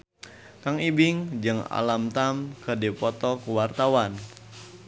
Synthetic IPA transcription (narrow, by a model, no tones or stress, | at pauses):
kaŋibiŋd͡ʒɨŋa̰lamt̪amkədipɔt̪ɔkəwart̪awan